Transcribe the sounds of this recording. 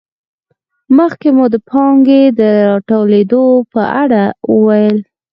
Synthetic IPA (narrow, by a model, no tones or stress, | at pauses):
məxkemud̪əpʰɑŋɡed̪əɾɑʈowled̪opəʔaɽawəwajəl